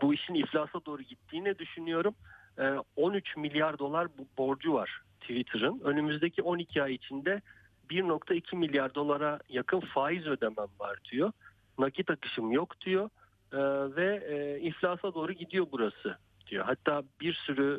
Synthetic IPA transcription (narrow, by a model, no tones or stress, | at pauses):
buiʃiniflʲaːsad̪o̞ːɾuɟit̪ʰːiːnɛd̪yʃynyjo̞ɾumː | o̞nyt͡ʃmilʲjaɾd̪o̞lˠaɾbo̞ɾd͡ʒuva̰ɾ̥t̪ʰivit̪ʰɯɾɯnø̞nymyzd̪ecʰio̞nicʰiajit͡ʃʰind̪ɛ | biɾno̞kt̪ʰaicʰimilʲjaɾd̪o̞lˠaɾajakʰɯnfaːizø̞d̪emænva̰ɾd̪ijo̞ | nacit̪akɯ̥ʃɯmjo̞kd̪̥ijo̞ | vɛːiflʲaːsad̪oːɾuɟid̪ijo̞buɾasɯ | d̪̥ijo̞̰ɦat̪ʰːaːbiɾsyɾy